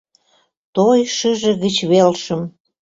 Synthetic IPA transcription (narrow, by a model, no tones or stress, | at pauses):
t̪ojʃəʒə̆ɣət͡ɕβelʃə̆m